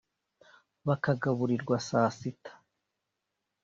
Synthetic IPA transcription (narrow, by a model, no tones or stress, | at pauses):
βakaɡaβuɾiɾɡwasaːsitḁ